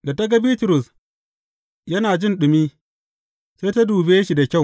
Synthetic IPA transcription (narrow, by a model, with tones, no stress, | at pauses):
da˨ta˦ɡa˦biː˦tʊ˨ɾʊ˨s | jɐ˦naː˨d͡ʒɪ˦nɗʊ˨miː˦ | seː˦ta˦duː˨beː˦ʃi˨da˨kʲa˦˨w